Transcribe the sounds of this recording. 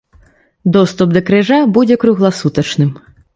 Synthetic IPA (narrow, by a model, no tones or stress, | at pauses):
d̪ɔst̪upd̪ɐkɾɪʐabud͡zʲɛkɾuɣlˠasut̪ɐt͡ʃnɪm